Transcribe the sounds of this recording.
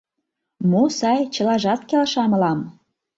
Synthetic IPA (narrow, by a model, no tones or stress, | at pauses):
mosɑjt͡ɕə̆lɑʒɑt̪kelʃɑmɤ̆lɑm